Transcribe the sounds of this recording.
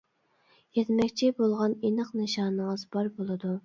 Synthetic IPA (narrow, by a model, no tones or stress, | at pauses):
jɛt̪mɛkʲt͡ʃʰibolˠʁɑnenəqnɨʃɑnəŋəzbɑɾbolˠɨd̪u